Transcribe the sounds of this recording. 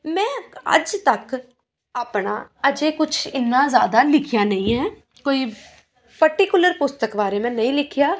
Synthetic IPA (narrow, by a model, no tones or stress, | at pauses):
mɛ̃ːə̰d͡ʒt̪ək | aːpɳa̰ːəd͡ʒeːkʊt͡ʃʰɪnːaːzjaːd̪aːlɪkʰɪjaːnəĩːɦɛː | koːiː | pəɾʈikjʊləɾpʊst̪əkbaːɾeːmɛ̃ːnəĩːlɪkʰɪjaː